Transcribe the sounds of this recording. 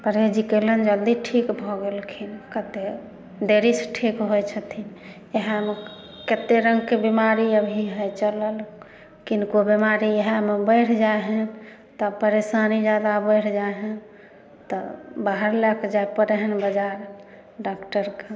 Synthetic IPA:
pəɾed͡ʒikelənd͡ʒəld̪iʈʰikbʱɔɡelkʰinkət̪e | d̪eɾisʈʰikɦojt͡ʃʰət̪ʰin | eɦame | ket̪eɾəŋɡkebimaɾiəbʱiɦəjt͡ʃələl | kinkobimaɾieɦamebəɪɾ̤d͡ʒaeɦən | t̪ɔpəɾesanid͡ʒad̪abəɪɾd͡ʒaeɦən | t̪ɔbaɦəɾlakd͡ʒaepəɾeɦənbəd͡ʒaɾ | ɖakʈəɾke

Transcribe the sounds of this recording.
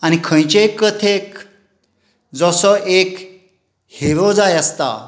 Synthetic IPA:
añikʰə̃j̃t͡ɕekːət̪ʰek | d͡zɔsɔʔek | heɾɔd͡zajəst̪a̰

